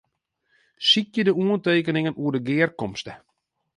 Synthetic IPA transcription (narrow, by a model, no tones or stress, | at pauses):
sik̚jədəuənteːkənɪŋənuədəɡɪərkɔmstə